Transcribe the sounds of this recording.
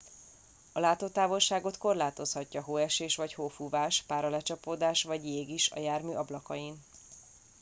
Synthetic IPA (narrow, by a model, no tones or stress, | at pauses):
ɒlaːt̪oːt̪aːvo̞lʃaːɡo̞t̪ko̞rlaːt̪o̞shɒcːɒɦoːɛʃeːʃʋɒchoːfuvaːʃpaːɾɒlɛt͡ʃɒpoːd̪aːʃʋɒɟjeːɡiʃɒ̰jaːrmyːʔɒblɒkɒjin